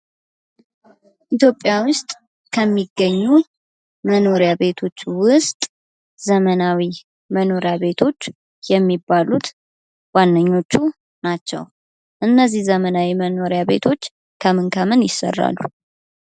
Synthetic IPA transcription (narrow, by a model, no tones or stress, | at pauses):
ʔit̪jo̞pʼːjawʊst̪ʼ | kʰəmːiɡəɲːu | məno̞ɾjaβe̞t̪ʰo̞t͡ʃːwʊst̪ʼ | zəmənawi | məno̞ɾeaβe̞t̪ʰo̞t͡ʃː | jɛmːibːalut̪ | wanːəɲːo̞t͡ʃːu | nat͡ʃːɛ̰w | ʔɨnːəzːihzəmənawiməno̞ɾjaβe̞̰t̪ʰo̞t͡ʃː | kʰəmɨnkʰəmɨnjɪsə̰rːa̰lːṵ